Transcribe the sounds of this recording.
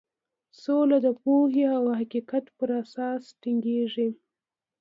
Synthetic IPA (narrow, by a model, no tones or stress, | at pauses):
solad̪əpoɦeawhaqiqat̪pəɾasɑsʈiŋɡeʐi